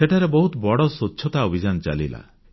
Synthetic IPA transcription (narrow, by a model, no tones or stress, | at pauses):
seʈʰaɾebɔɦut̪bɔɽɔsut͡ʃːʃʰɔt̪aobʱid͡ʒant͡ʃa̰lila̰